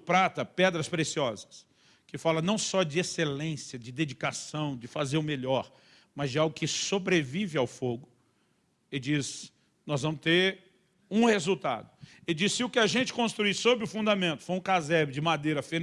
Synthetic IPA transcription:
pɾat̪ɐpɛd̪ɾɐspɾesiɔzɐ̥s | kɪfalɐnɐ̃w̃sɔd͡ʒɪeselẽsjɐd͡ʒɪd̪ed͡ʒikasɐ̃w̃d͡ʒɪfazeɾʊ̃meʎɔɾ | mɐzd͡ʒɪawɡʊkɪsobɾevivɪawfoɡʊ | ɪd͡ʒis | nɔzvɐ̃mʊst̪eɾ | ũhezut̪a̰d̪ʊɪd͡ʒisːɪʊkɪaʒẽnt͡ʃɪ̥kõst̪ɾuisobɾɪʊfũnd̪amẽnt̪ʊ̥fojũkazɛbɪd͡ʒɪmad̪ejɾɐfe

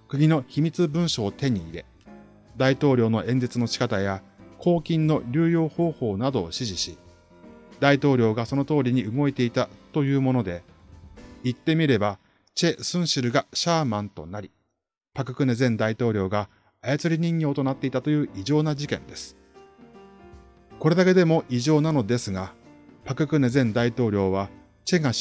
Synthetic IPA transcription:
kɯ̟ɡʲino̞çimʲit͡sɨbɯ̟̃ɰ̃ɕo̞ːt̪e̞ɲ̟iːɾe̞ | d̪ait̪o̞ːɾʲo̞ːno̞ʔẽ̞nd͡ze̞t͡sɨno̞ɕi̥kat̪ajakʰo̞ːkʲĩnːo̞ɾʲɨːjo̞ːho̞ːho̞ːnad̪o̞ːɕiʑiɕi | d̪ait̪o̞ːɾʲo̞ːɡaso̞no̞t̪o̞ːɾʲiɲ̟iɯ̟ɡo̞et̪e̞it̪at̪o̞jɯ̟ːmo̞no̞d̪e̞ | it̪ːe̞mʲiɾe̞ba | t͡ɕe̞sɨ̃ɰ̃ɕiɾɯ̟ɡaɕaːmãnt̪o̞̰naɾʲi | pakɯ̟kɯ̟ne̞zẽ̞nd̪ait̪o̞ːɾʲo̞ːɡaː | jat͡sɨɾʲiɲ̟ĩŋjo̞ːt̪o̞nat̪ːe̞it̪at̪o̞jɯ̟ːʔiʑo̞ːnad͡ʑikẽ̞nd̪e̞sɨ̥ | ko̞ɾe̞d̪ake̞d̪e̞mo̞ʔiʑo̞ːnano̞d̪e̞sɨɡa | pakɯ̟kɯ̟ne̞zẽ̞nd̪ait̪o̞ːɾʲo̞ːβ̞a | t͡ɕe̞ɡa

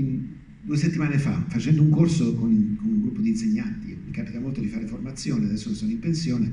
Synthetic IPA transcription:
d̪uːeset̪ːimaːnefa̰fat͡ʃɛnd̪ouŋkorsokonkonuŋɡɾupːod̪inseɲːant̪imikapit̪amolt̪od̪ifaːɾeformat̪sːjɔːnead̪ɛsːokesoːnoimpensjɔːne

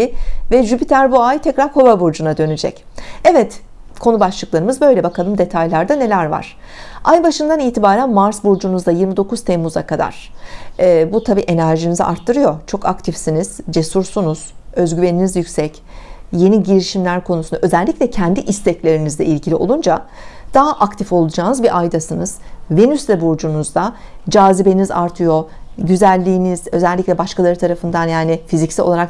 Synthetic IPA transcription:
ivɛʒybit̪ʰæɾbuajt̪ʰɛcɾaɾko̞babuɾd͡ʒunad̪ø̞nyd͡ʒɛ̰c | ɛvɛt̪ | kʰo̞nubat͡ʃlˠɯklˠaɾɯmɯzbø̞jlʲɛbakʰalˠɯmd̪e̞t̪ʰajlʲˠaɾd̪ane̞lʲæɾva̰ɾ̥ | ajbaʃɯnd̪aniːt̪ʰibaːɾænmaɾsbuɾd͡ʒunuzd̪ajiɾmid̪o̞kuz̥t̪ʰemːuza̰kʰad̪a̰ɾ̥ɛːbut̪ʰabiːʔe̞næɾʒinizḭʔaɾt̪ʰːɯɾɯjo̞t͡ʃʰo̞kakt̪ʰifsiniz̥d͡ʒe̞suɾsunuz̥ø̞zɟyve̞ninizjycʲsɛc | je̞niɟiɾiʃimlʲæɾkʰo̞nusunaʔø̞zɛlʲːicʲlʲɛcʰɛnd̪iʔist̪ɛclʲe̞ɾinizd̪ɛʔilʲɟilʲiʔo̞̰lˠund͡ʒad̪̥aɦaʔakt̪ʰifo̞lˠud͡ʒaːnɯzbiʔajd̪asɯnɯz̥ve̞nyslʲɛbod͡ʒunuzd̪ad͡ʒaːzibe̞niza̰ɾt̪ʰɯjo̞ɟyzælʲːiːniz̥ø̞zɛlʲːicʲlʲɛbaʃkalˠaɾɯt̪ʰaɾafɯnd̪anjaːnifizicsiolˠaɾak

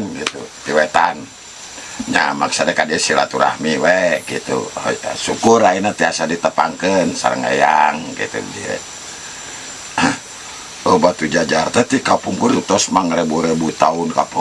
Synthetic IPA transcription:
nɡit̪ṵt̪iwɛt̪an | ɲa̰maksadɛkadiɛsila̰t̪uɾa̰hmiwɛɡḭt̪ṵit̪a̰sukuɾainat̪iasadit̪əpa̰ŋkənsa̰ɾə̰ŋḛjaŋɡḭt̪ṵdiɛ̰ | əbat̪ud͡ʒad͡ʒart̪ɛt̪ikapuŋkuɾut̪ɔsmaŋɾɛbuɾɛbuit̪aunka̰pu

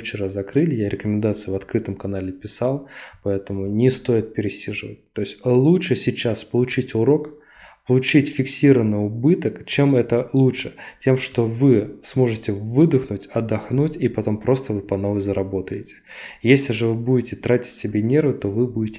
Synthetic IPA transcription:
ft͡ɕɪɾazɐkɾɨlʲɪjaɾʲʔɪkəmʲɪnd̪at̪sɨjʊvɐt̪kɾɨt̪əmkɐnalʲɪpʲɪsalˠpɐɛt̪əmʊnʲɪst̪o̞jɪt̪̚pʲɪɾʲɪsʲiʐɨvə̰t̚ʲt̪o̞ɪsʲtʲlˠuʂɨsʲɪt͡ɕːaspəlˠʊt͡ɕitʲʊɾo̞k | pəlˠʊt͡ɕitʲfʲɪksʲiɾəvənːɨjʊbɨt̪əkt͡ɕemɛt̪əlˠuʂɨtʲe̞mʂt̪o̞vɨsmo̞ʐɨtʲɪvɨd̪əxnʊtʲɐd̪ːɐxnutʲipɐt̪o̞mpɾo̞st̪əvɨpɐno̞vəjzəɾɐbo̞t̪əjɪtʲɪ̥ | jesʲlʲɪʐɨvɨbudʲɪtʲɪt̪ɾatʲɪ̥tʲsʲɪbʲenʲe̞rvɨt̪o̞vɨbudʲɪtʲɪ

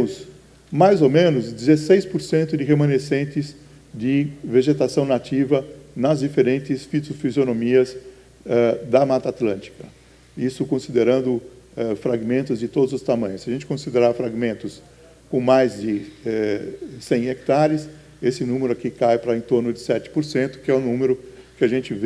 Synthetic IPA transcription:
ʊs | majzomẽnʊzd̪ɪzesejspoɾsẽnt̪ʊd̪ɪɦemɐ̃nesẽnt̪ɪz | d͡ʒ̪ɪveʒet̪asɐ̃w̃nat͡ʃ̪ivɐnɐzd͡ʒifeɾẽnt̪ɪsfit̪ʊfizjonõmiɐz | ɛd̪ɐmat̪at̪lɐ̃nt͡ʃ̪i̥kɐ | isʊkõsid̪eɾɐ̃nd̪ʊ | ɛfɾaɡmẽnt̪ʊzd͡ʒɪt̪od̪ʊzʊst̪amɐ̃j̃ʊsɪɐʒẽnt͡ʃɪkõsid̪eɾaɾfɾaɡmẽnt̪ʊs | kõmajzd͡ʒ̪ɪɛsẽj̃ek̚t̪aɾɪs | esɪnũmeɾʊakikajpɾɐẽnt̪oɾnʊd͡ʒɪsɛt͡ʃ̪ɪ̥poɾsẽnt̪ʊ̥kɪɛʊ̃nũmeɾʊkɪaʒẽnt͡ʃ̪ɪv

